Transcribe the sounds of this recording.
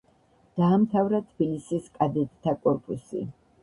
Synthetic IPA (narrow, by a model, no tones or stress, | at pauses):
d̪̥aːmt̪ʰavɾat̪ʰb̥ilisiskʼad̪ɛt̪ʼt̪ʰakʼɔɾpʼusḭ